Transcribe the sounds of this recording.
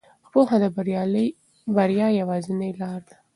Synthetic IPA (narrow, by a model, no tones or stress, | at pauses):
poxad̪əbɾl | baɾjɑjawɑzɪnəjlɑɾd̪a